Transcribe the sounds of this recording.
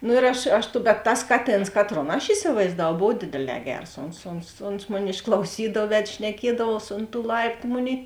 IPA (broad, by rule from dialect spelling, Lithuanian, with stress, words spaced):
nʊ ɪr ˈɐʃ ˈɐʃ bʲɛt ˈtɐs ˈkɑːˌtʲeːns ˈkɑːˌtroːn ɐʃ ɪsʲɪʋɐɪzdɐˈʋɐʊ ˈboːw ˈdʲeːdʲeːˌlʲɛː ˈɡʲɛrs ˈoːns oːns oːns ˈmoːˌnʲɪ ɪʃklˠɐʊˈsʲiːdɐw ˈʋʲɛt ʃʲnʲɛˈkʲiɛdɐʋuɔs oːnt tuː ˈlˠɐɪptʊ ˈmoːˌnʲeːɪ